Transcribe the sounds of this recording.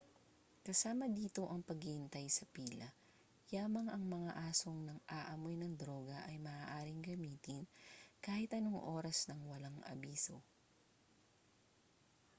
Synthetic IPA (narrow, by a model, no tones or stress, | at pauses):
kɐsaːmɐd̪iːt̪o̞ʔɐŋpɐɡɪhɪnt̪ajsɐpiːlɐ | jaːmɐŋʔɐŋmɐŋaʔaːsoŋnɐŋʔaːʔɐmojnɐŋd̪ɾo̞ːɡɐʔɐjmɐaːʔaːɾɪŋɡɐmiːt̪ɪnkaːhɪt̪ʔɐnoŋʔo̞ːɾɐsnɐŋwɐlaŋʔɐ̰biːso̞